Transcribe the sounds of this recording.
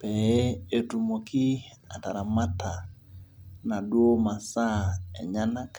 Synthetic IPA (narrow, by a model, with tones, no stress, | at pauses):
pɛ˨˦e˦tu˨mo˨ki˦ | a˨ta˨ɾa˨ma˦ta˨ | na˨dwo˦ma˨sa˦ḛ˨ɲa˦na˦k